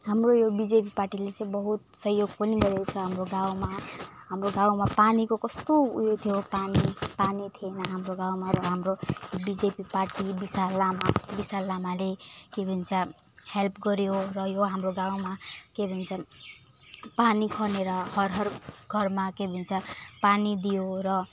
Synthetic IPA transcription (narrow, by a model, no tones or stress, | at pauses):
hamrojobid͡zepiparʈilet͡sʌ̃ĩbʌɦut̪̚sʌɦjoɡpʌniɡʌɾekot͡sʰʌɦamroɡawma | ɦamroɡawmapanikokʌst̪oṵjot̪ʰijopanipanit̪ʰienʌɦamroɡãwmarʌɦamrojobid͡zepiparʈibisalamabisalːamalekebʱunt͡sʰa | helpʰɡʌɾjorʌjoɦamroɡawmakebʱʌnt͡sʰʌ | panikʰʌneɾʌhʌɾɦʌrɡʱʌrmakebʱunt͡sʰapanid̪ijorʌ